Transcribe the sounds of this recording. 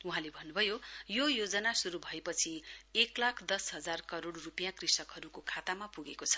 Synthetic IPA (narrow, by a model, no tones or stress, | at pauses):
uɦãlebʱʌnːubʱʌjojojod͡zʌnasuɾubʱʌepʌt͡sʰieklakʰd̪ʌsɦʌd͡zarkʌɾoɽrupijãkrisʌkɦʌɾukokʰat̪amapuɡekot͡sʰʌ̥